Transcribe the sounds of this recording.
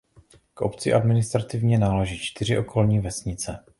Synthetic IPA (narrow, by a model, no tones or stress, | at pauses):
kʔo̞̰pt͡sɪʔadmɪnɪst̪ɾat̪ɪvɲɛnaːlaʒiːt͡ʃt̪ɪr̝ɪʔo̞kʰo̞lɲiːvɛsɲɪt͡sɛ